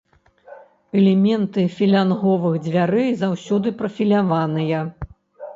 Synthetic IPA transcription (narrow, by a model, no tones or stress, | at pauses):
ɛlʲɛmʲɛnt̪ɨfʲilʲanɣɔvɨɣd͡zʲvʲaɾɨzawsʲɔd̪ɨpɾɐfʲilʲavanɨjɐ